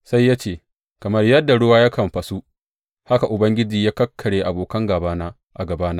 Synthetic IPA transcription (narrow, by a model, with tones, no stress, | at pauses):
sa˦jːaː˦t͡ʃeː˨ | kɐ˨mɐ˦rjɐ˦dːa˨ɽʊ˦waː˦jaː˦kʰɐ˨mɸɐ˨su˦ | ha˦ka˨ʔʊ˨bɐ˦ŋɡʲɪ˦d͡ʒiː˨jaː˦kɐ˦kʰːɐ˨ɽeː˨ʔa˨boː˨kɐ˦ŋɡaː˨baː˦naː˦ | ʔa˨ɡɐ˨baː˦na˦